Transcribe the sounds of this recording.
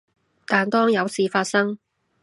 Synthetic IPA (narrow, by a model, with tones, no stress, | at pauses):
t̪aː˨˩nt̪ɔː˥ŋjɐ˨˧wsiː˨˧faː˧t̚sɐ˥ŋ